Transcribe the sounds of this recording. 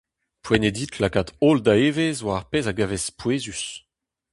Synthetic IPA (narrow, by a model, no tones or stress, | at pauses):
pwened̪it̪ʰlakat̪old̪aeːvezwaʁpeːzaɡavespweːzys